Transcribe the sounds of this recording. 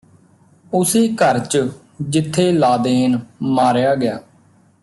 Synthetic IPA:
ʊseːkəɾt͡ʃə | d͡ʒɪt̪ʰːeːlaːd̪eːnmaːɾjaːɡɪjaː

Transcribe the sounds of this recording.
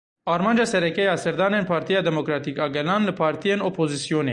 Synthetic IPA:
ɑːɾmɑːnd͡ʒɑːsɛɾɛkɛjɑːsɛɾd̪ɑːneːnpʰɑːɾt̪ʰijɑːd̪ɛmokɾɑːt̪iːkɑːɡɛlɑːnlɨpʰɑːɾt̪ʰijeːnopʰoːzisijoːnḛː

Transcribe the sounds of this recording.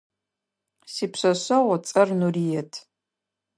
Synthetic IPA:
sipʰɕʷɐɕʷawat͡sʼɐrnurijɛtʰ

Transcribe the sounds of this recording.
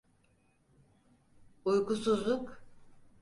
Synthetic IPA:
ujkʰusuzlˠuk

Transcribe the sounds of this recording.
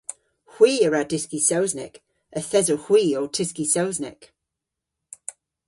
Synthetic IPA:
hw̥iːəɹadɪskisowznɪ̰k | əθɛzohw̥iːowtʰɪskisowznɪ̰k

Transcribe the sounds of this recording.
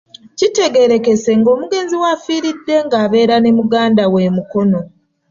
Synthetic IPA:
cite̞ɡe̞ɾe̞ke̞se̞ŋɡo̞ːmuɡe̞ːnziwaːfiːɾidːe̞ŋɡaːβe̞ːɾanemuɡaːndawe̞muko̞no̞

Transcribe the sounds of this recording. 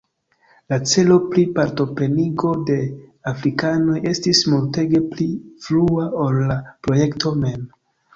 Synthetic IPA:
lat͡se̞lo̞plipaɾto̞pɾe̞niɡo̞de̞afɾikano̞je̞stismulte̞ɡe̞plifluaolːapɾo̞je̞kto̞me̞m

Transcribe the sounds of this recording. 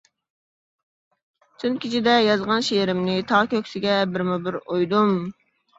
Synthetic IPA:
t͡ʃ̪ʰynkʲʰit͡ʃʰid̪ɛjɑzʁɑnʃeɾɪmnɪt̪ʰɑʁkʲʰøkʲsɪɡʲɛbɪɾmubɪɾojd̪um

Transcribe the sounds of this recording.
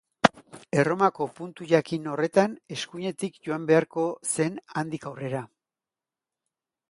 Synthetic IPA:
e̞ro̞mako̞punt̪uʝakino̞re̞t̪ane̞skuɲe̞t̪ikʝo̞ambe̞aɾko̞se̞nand̪ikawre̞ɾa

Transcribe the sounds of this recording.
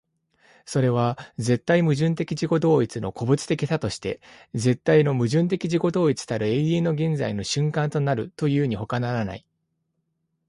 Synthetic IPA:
so̞ɾe̞β̞ad͡ze̞t̪ːaimɯ̟ʑɨ̃nt̪̬e̞kʲiʑiko̞d̪o̞ːit͡sɨno̞̰ko̞bɯ̟t͡sɨ̥t̪e̞kʲit̪at̪o̞ɕi̥t̪e̞ze̞t̪ːaino̞mɯ̟ʑɨ̃nt̪e̞kʲiʑiko̞d̪o̞ːit͡sɨ̥t̪aɾɯ̟e̞iẽ̞no̞ɡẽ̞nd͡za̰ino̞ɕɨ̃ŋkãnt̪o̞naɾɯ̟t̪o̞jɯːɲ̟iho̞kanaɾana̰i

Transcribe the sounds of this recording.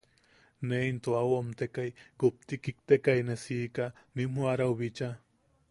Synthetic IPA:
neint̪oawamt̪ekajkup̚t̪ikik̚t̪ekajnesiːkanim̥uaɾawβit͡ʃa

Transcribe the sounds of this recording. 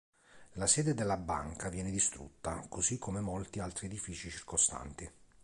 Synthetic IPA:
lasɛːd̪ed̪elːaba̰ŋkʰavjɛːned̪ist̪ɾṵt̪ːakozikʰːomemolt̪ialt̪ɾied̪ifiːt͡ʃit͡ʃirkost̪a̰nt̪i

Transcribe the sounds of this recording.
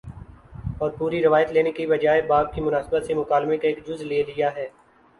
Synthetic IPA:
ɔːɾpuːɾiɾɪʋaːjət̪leːnekibɐd͡ʒaːebaːb̚kimʊnaːsbət̪semʊkaːlmẽkaeːkd͡ʒʊzleːlijaɦɛː

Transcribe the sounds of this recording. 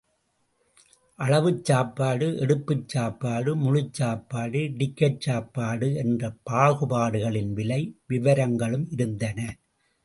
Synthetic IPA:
ʔɐɻɐʋɯt͡ʃːaːpːaːɽɯʔɛɽɯpːɯt͡ʃːaːpːaːɽɯmʊɻɯt͡ʃːaːpːaːɽɯɖɪkːɐʈ̚t͡ʃaːpːaːɽɯɛndrɐpaːɣɯpaːɽɯɣɐɭɪnʋɪlɐɪʋɪʋɐɾɐŋɡɐɭɯmɪɾɯnd̪ɐnɐ

